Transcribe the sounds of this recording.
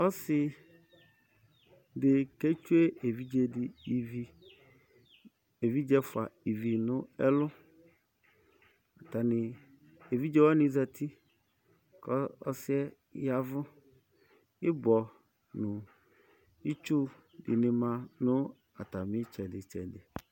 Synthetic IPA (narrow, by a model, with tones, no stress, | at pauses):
ɔ˦sɪ˨ | dɪ˨ke˦t͡ʃu˦e˦e˨vi˦d͡ʒe˦dɪ˨vi˨ | e˨vi˦d͡ʒɛ˦fʊ˨a˨i˨vi˨nʊ̃˦ɛ˦lʊ˦ | a˨ta˨nɪ˨ | e˨vi˦d͡ʒɛ˦wɔ˦nɪ̃˨˦za˨tʰi˦ | kɔ˦ɔ˦sɪ˦ɛ˦ | ja˨vʊ˦ | ɪ˦bɔ˨ | nʊ˨ | ɪ˦t͡ʃʊ˦ | dɪ̰˨nɪ˨mã˨nʊ̃˦ | a̰˨ta˨mɪ˦t͡ʃɛ˨dɪ˨t͡ʃɛ̰˨dɪ˨